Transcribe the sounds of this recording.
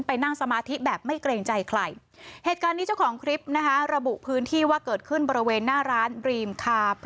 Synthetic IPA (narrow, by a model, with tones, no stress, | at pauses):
npa˧jna˥˩ŋsa˧maː˧t̪ʰi˦˥bɛː˨˩p̚ma˥˩jkleː˧ŋt͡ɕa˧jkʰla̰˨˩j | heː˨˩t̪̚kaː˧nːi˦˥t͡ɕa˥˩wkʰɔː˩˦ŋkʰɾi˦˥p̚na˦˥kʰa˦˥ɾa˧bu˨˩ʔpʰɯː˦˥nt̪ʰiː˥˩waː˥˩kɤː˨˩t̪̚kʰɯ˥˩nbɔː˧ɾi˦˥weː˧nːaː˥˩ɾaː˦˥nɾiː˧mkʰaː˧p